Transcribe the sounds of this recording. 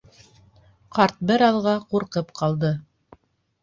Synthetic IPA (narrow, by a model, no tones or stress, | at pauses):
qɑɾt̪̚bɘɾɑðʁɑquɾqɤpqɑlˠd̪ɤ